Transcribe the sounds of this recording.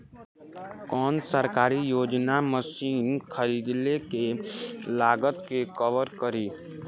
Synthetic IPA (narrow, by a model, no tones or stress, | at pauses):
kɔːnsəɾkaːɾijoːd͡ʒnaməsiːnkʰəɾiːd̪lekelaːɡət̪kekəʋəɾkəɾiː